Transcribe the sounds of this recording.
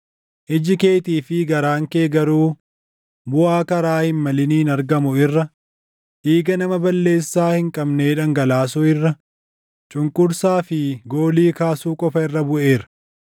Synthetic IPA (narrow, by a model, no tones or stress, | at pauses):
ʔɪd͡ʒɪke̞ːt̪iːfɪɡɐɾaːŋke̞ːɡɐɾuː | bʊʔaːkɐɾaːhɪnmɐlɪniːnɐɾɡɐmʊɪrːɐ | hiːɡɐnɐmɐbɐlːe̞ːsːaːhɪŋkʼɐbne̞ːᶑɐŋɡɐlaːs̬ʊɪrːɐ | t͡ʃʼʊŋkʼʊɾsaːfɪɡo̞ːliːkaːsuːkʼɔfɐɪrːɐbʊʔe̞ːɾɐ̥